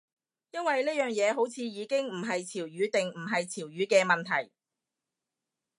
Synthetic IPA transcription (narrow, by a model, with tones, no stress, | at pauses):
jɐ˥nwɐ˨jliː˥jœː˨ŋjɛː˨˧ɦo˨˥wt͡sʰiː˨˧jiː˨˧kɪ˥ŋm̩˨˩ɦɐ˨jt͡sʰiː˨˩wjyː˨˧t̪ɪ˨ŋm̩˨˩ɦɐ˨jt͡sʰiː˨˩wjyː˨˧kɛː˧mɐ˨nt̪ʰɐ˨˩j